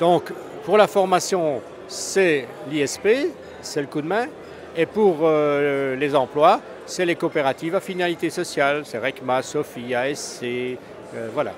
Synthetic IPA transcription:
d̪̥ɔ̃k | puʁlafɔʁmasjɔ̃ | sɛ | liɛspe | sɛləkud̪mɛ̃ | epuʁølezɑ̃plwa | sɛlekopeʁat̪ivafinalit̪esɔsjalsɛʁɛkmasɔfiaɛse | øvwala̰

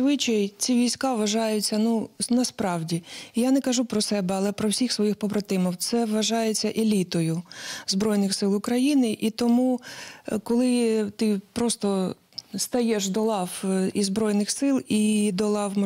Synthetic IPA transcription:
zʋɪt͡ʃɐjt͡sʲiʋʲijsʲkɑʋɐʒɑjʊt͡sʲːɐnunɐspɾɑwdʲiijanɛkɐʒupɾɔsɛbɛɐlˠɛpɾɔwsʲixsʋɔjixpɔbɾɐt̪ɪmɔw̪sɛʋʋɐʒɑjet͡sʲːɐʔelʲit̪ɔjʊzbɾɔjnɪxsɪlˠʊkɾɐjinɪʔit̪ɔmu | kɔlˠɪt̪ɪpɾɔst̪ɔ | st̪ɐjɛʃd̪ɔlˠɑwizbɾɔjnɪxsɪlˠid̪ɔlˠɑwm

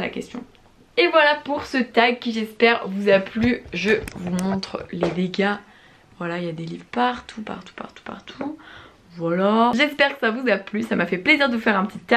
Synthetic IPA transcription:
la̰kʲɛ̰st̪jɔ̰̃ | evwalapuʁsət̪aɡ̚kʲiʒɛspɛʁvuzaplyʒəvumɔ̃t̪χled̪eɡʲa | vwalailjad̪elivʁpaʁt̪ʰupa̰ʁt̪u̥pa̰ʁt̪u̥pa̰ʁt̪ʰu | vwalaʒɛspɛʁkə̥savuzaplysamafɛpleziʁd̪əvufɛʁɛ̃pət̪it̪ːa

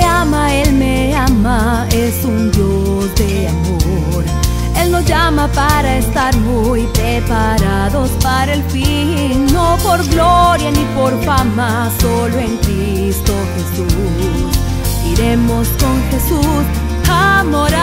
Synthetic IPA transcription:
amae̞lme | ama | e̞sund̪jo | sd̪eamo | ɾ | e̞lno̞zʝamapaɾae̞st̪aɾmu | jpɾepa | ɾaðo̞spaɾaelfi | no̞po̞ɾɣlo̞ɾjanipo̞ɾfama | so̞loe̞ŋkɾi | st̪o̞xe̞su | s | iɾe̞mo̞sko̞ŋxe̞sus | hamoɾa

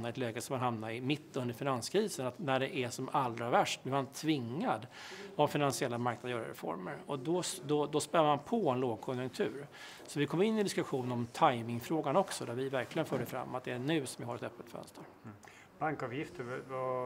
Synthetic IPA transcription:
naɾɪɛt̪lɛːɡəsɔmanɦamnaɪmɪt̪ʰːɵnd̪əɾfɪnanskʰɾiːsənat̪næɖɛʔæʂɔmald̪ɾavæʂʈvɪvant̪ʰvɪŋːad̪avfɪnansɪɛlːamaɾknad̪əjœːɾa̰ɾɛ̰fɔ̰ɾmə̰ɾɔd̪ɔd̪ɔd̪ɔspɛlːaɾmanpʰɔɛnloːɡ̚kʰɔnjɵŋkt̪ʰʉ̟̰ːɾ | sɔvɪkʰɔmːɪnːɪd̪ɪskɵɧuːnənɔmt̪ʰajmɪŋfɾoːɡanɔksɔd̪æɾvɪvæɾklɪɡənfœːɖəfɾa̰mːat̪̚d̪ɛːɳʉ̟ːsɔmvɪɦaɾɛt̪œpːət̪fœ̰nst̪ʰəɾ | b̥aŋkɑvjɪft̪əɾv

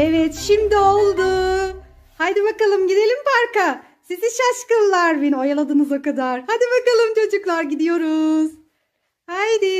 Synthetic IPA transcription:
evɛt̪ʃimd̪iolˠd̪ʊ | hajd̪ibakalˠɯmɟid̪e̞lʲimpʰaɾka | siziʃaʃkɯnlˠaɾbenio̞jalˠad̪ɯnɯzakad̪aɾ̥had̪ibakalˠɯmt͡ʃʰo̞d͡ʒuklˠaɾɟid̪ijo̞ɾuz̥ | hajd̪ɪ

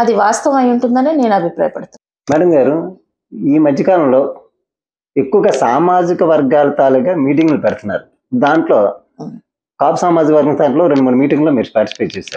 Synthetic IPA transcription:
ɐd̪iʋaːst̪ɐʋɐmɐjuɳʈund̪ɐneːne̞ːnɐbʱipɾa̰ːjɐpɐɽɐt̪una | mɛːɽɐmɡaːɾu | iːmɐd̪jɐkaːlɐmlo̞ː | ekːuʋɐɡɐsaːmaːd͡ʒikɐʋɐɾɡaːlɐt̪aːluɡaːmiːʈ̬iŋɡlupɛɽɐt̪unːa̰ːɾu | d̪aːɳʈlo̞ː | kaːpu̥saːmaːd͡ʒikɐʋɐɾɡɐŋt̪ʰaːɳlo̞ːɾeɳɖumuːɽumiːʈiŋɡloːmiːɾuspaːɾʈisipeːjt͡ʃɛːʃaːɾu

